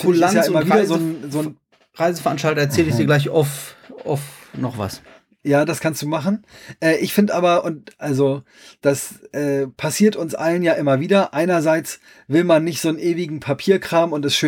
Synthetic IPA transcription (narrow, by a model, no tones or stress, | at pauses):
ajaːɪmɐviːdɐzoːnzoːn | ʁaɪzəfɛɐa̰nʃtaltɐɛɐt͡sɛːlɪdiɐɡlaɪç̬a̰ʊfʔa̰fnɔχva̰s | jaːdaskʰanstd̥uːmaχn̩ʔɛːʔɪçfɪndʔaːbɐʔʊnt̚ʔalzo | d̥asʔɛːpʰasiːɐtʊnsʔalənjaːʔɪmɐviːdɐʔaɪnɐzaɪt͡s | vɪlmanːɪçtz̥oːnʔeːvɪɡŋ̩pʰapʰiːɐkʁ̥aːmʊntɛstʃøː